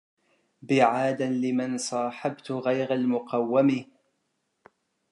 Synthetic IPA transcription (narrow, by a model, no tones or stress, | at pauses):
bɪʕaːd̪anlɪmansˤɑːħabt̪ɣajɾalmʊqɑwːamɪ